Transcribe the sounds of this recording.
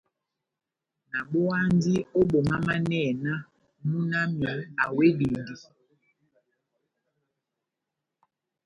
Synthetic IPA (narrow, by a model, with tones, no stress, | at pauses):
na˨ɓo˦a˦n˦di˦o˦ɓo˨ma˦ma˦nɛ˦˨na˦ | mu˦na˦mi˨˦a˨we˦di˨ndi˨